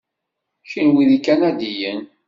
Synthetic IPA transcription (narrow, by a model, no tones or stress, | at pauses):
çinwiðikːænæd̪ijən